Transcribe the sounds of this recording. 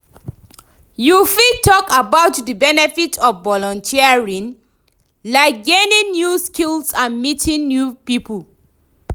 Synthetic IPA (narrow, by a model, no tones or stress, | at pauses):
jufitʰɔkabaʊtdəbɛnɛfitʰɔfbɔlɔ̃ntʰiaɹĩn | laɪk̚ɡenĩnnjuskilsãnmitʰĩnnjupipəl